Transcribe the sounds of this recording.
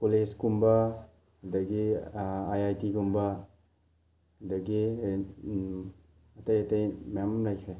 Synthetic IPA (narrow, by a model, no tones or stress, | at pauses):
koled͡ʒkumbɐ | hɐdɐɡiajajtikumbɐ | hɐdɐɡi | ɐtɐjɐtɐjmamlajkʰɾe